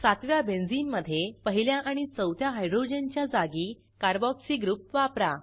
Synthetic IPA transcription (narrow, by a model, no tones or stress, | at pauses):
sat̪ʋjabẽnd͡ziːmːəd̪ʱːjepəɦiljaʔaɽ̃it͡səwt̪ʰjaɦajɖɾod͡ʑent͡ɕjad͡zaɡiː | kaɾbɔksiːɡɾup̚t̪ʋapɾa